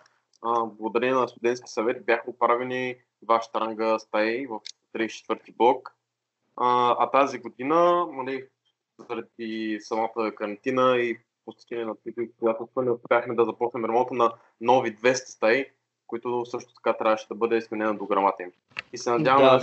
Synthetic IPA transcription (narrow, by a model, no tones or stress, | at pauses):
əblˠɐɡoʊd̪ɐɾɛniɛnɐst̪ʊd̪ɛnt̪kʲi̥sɐvɛt̪̚bʲjaxəːt̪̚pɾavɛni | d̪vaʃə̥t̪ɐɾaŋɡəst̪ajvəft̪ɾit͡ʃɛ̥t̪vɤɾt̪iblˠɔk | əɐt̪aziɡod̪inənɐli | zəɾɐd̪̚isɐmat̪əkɐɾɐnt̪inəi | post̪ɛ̥t̪ɛniɛnɐt̪ik̪ikojat̪ʊsənɛʊspʲjaxmɛd̪ɐzɐpɔt͡ʃnɛmɾɐmɔ̃t̪ənɐ | nɔvid̪vɛst̪ɐ̥st̪aj | koit̪ʊsɤʃt̪ʊ̥t̪ɐ̥kat̪ɾʲavəʃɛd̪ɐbɤd̪ɛsmɛnɛnəd̪oɡɾɐmat̪əim | isɛnɐd̪javɐ